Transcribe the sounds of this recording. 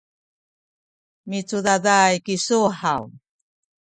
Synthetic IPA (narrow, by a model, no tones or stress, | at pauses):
mit͡sudadajkisuħaw